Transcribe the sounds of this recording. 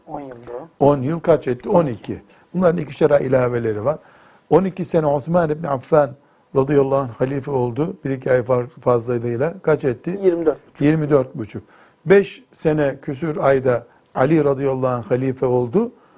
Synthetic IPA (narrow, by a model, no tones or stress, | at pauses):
o̞njɯlˠkʰat͡ʃɛt̪ʰːio̞nicʰi | bunlˠaɾɯnicʲi̥ʃaɾailʲaːve̞lʲe̞ɾivaɾ̥ | o̞nicise̞nɛoθmanibniafːæn | ɾad̪ijalˠːaːanxalʲiːfɛo̞lˠd̪ʊb̥iɾicʰiajffazlˠajlˠɯjlˠakʰat͡ʃɛt̪ʰːɪjiɾ | jiɾmid̪øɾt̪̚but͡ʃʰuk̚ | bɛʃ | se̞nɛcʰysyɾajd̪a | alʲiɾad̪ijalˠːaːɦanxalʲiːfɛo̞lˠd̪ʊ